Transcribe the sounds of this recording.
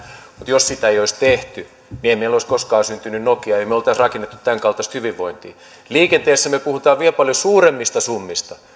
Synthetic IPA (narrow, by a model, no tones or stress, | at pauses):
mut̪jossit̪æejoist̪eht̪y | nieimeiloiskoskɑːsynt̪ynynnokiɑeimeolt̪ɑsrɑkenːet̪ːu̥t̪t̪æŋkɑlt̪ɑst̪hyʋiʋʋːoint̪ḭː | liːkent̪eːsːæmøpuhut̪ɑːʋʋielpɑljosuːremːist̪ɑsumːist̪ɑ